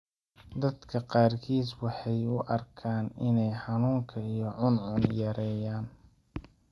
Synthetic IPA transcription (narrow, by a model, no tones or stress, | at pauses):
d̪ɐd̪kʰɐqɑːrkʰiːswɑħɑjʊʔɐrkʰaːnɪnɛjħɑnuːŋkʰɐijɞʕʊnʕʊnjɛɾɛːjaːn